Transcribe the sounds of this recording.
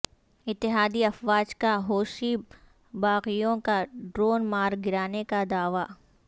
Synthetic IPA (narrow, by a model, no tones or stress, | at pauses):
ɪt̪ːɪɦaːd̪iɐfʋaːd͡ʒkaɦoːʃi | baːqijõkaɖɾoːnmaːɾɡɪɾaːnekad̪aːʋa